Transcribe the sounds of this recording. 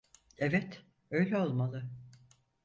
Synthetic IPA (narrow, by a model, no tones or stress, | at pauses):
ɛvɛt̪ | ø̞jlʲɛo̞lˠmalˠɯ